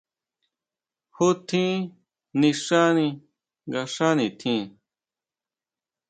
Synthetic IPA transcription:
hu˦t̪ʰĩ˦ | nĩ˧ʂa˦nĩ˧ | ŋɡa˧ʂã˦nĩ˨t̪ʰĩ˦˧˦

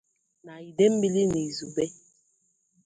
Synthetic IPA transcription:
na˨i˨de˦m˦bi˦li˦ne˨zu˨bɛ˦

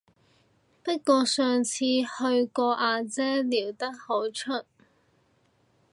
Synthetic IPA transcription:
pɐ˥t̚kɔː˧sœː˨˧ŋt͡sʰiː˧hɵ˧ɥkɔː˧ʔaː˧t͡sɛː˥liː˨˩wt̪ɐ˥k̚ho˨˥wt͡ʃʰɵ˥t̚

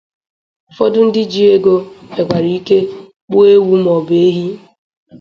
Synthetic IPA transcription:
fɔ˦dʊ˦n̩˦dɪ˦d͡ʒi˦e˦ɡo˦e˨ɡʷa˨ɾi˨i˦ke˦ | k͡pʊ˦e˦wu˦m˨ɔ˨be˦ɦi˦

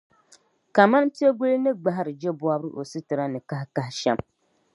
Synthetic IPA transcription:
ka˨ma˦n˦ti˦e˦ɡu˦lnɨ˦ɡ͡ba˦ɦɾɨ˨d͡ʒɛ˦bu˦a˦bɾɨ˦ʔo̰˨sɨ˦tɨ˨ɾa˦nɨ˨ka˦hka˦hʃɛ˦m

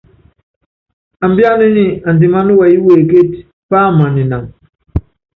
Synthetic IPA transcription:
a˨mbja˦li˦ni˦a˨ndi˨ma˦nu˦wa˨i˦we˨ke˦t | pa˦˨ma˨ni˨na˨ŋ

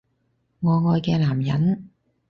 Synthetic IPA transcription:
ŋɔː˨˧ŋɔː˧jkɛː˧laː˨˩mjɐ˨˥n

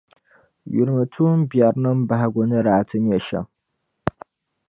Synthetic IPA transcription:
jʊ̰˨ɾmɨtʰu˦mbja˨ɾnɐmbaɦa˨ɡʷonɨ˦ɾaː˨tʰɨ˦njɛ˨ʃɐ̰˨

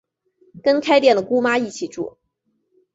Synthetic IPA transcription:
kə˥nkʰa˥ɪt̪jɛ˥˩nd̪ə˩ku˥ma˥i˥˩t͡ɕʰi˨˩ʈ͡ʂṵ˥˩

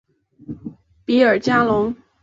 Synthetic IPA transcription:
pi˧˥ə˞˨˩t͡ɕja˥lʊ˧˥ŋ

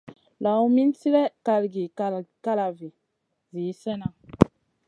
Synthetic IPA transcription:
la˨u˦mi˦n˦ti˦ɾɛ˦ka˨lɡi˨ka˨lka˦la˨vi˨ | zi˨˦sɛ˦na˨

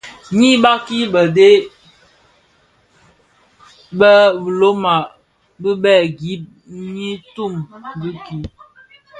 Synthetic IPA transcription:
ɲi˦ba˦ki˦bə˨de˦ | bə˦bə˨lo˦ma˨ | bə˦bɛ˦˨ɡi˦p̚ | ɲi˦tu˦˨mbi˦ki˦

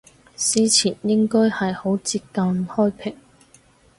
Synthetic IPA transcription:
siː˨˥t͡sʰiː˨˩njɪ˥ŋkɔː˥jhɐ˨jho˨˥wt͡siː˧t̚kɐ˨˧mhɔː˥jpʰɪ˨˩ŋ

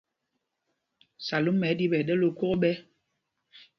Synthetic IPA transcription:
sa˨lu˦mːɛ˨˦di˦ɓɛ˨ɗɛ˦lo˦ko˦ɣɓɛ˦

